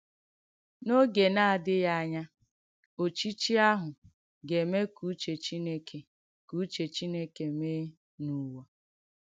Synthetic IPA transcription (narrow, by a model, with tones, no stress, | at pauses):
no˦ɡe˨na˦a˨dɪ˦ja˦a˦ɲa˦ | o˨t͡ʃi˦t͡ʃi˦a˦ɦʊ˨ | ɡe˨me˦ku˨˦t͡ʃe˨t͡ʃi˦ne˦kʰe˨ | ku˨˦t͡ʃe˨t͡ʃi˦ne˦ke˨meː˦ | nu˦wa˨